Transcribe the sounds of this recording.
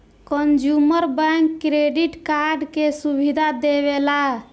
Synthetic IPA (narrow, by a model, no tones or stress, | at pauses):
kənd͡ʒuməɾbɛ̃ŋkːɾeɖiʈkaɾɖkesubʱid̪ʱad̪eβela